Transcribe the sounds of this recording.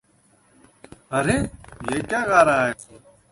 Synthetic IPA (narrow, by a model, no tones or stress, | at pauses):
əɾeːjeːkjaːɣaːɾaːɦeː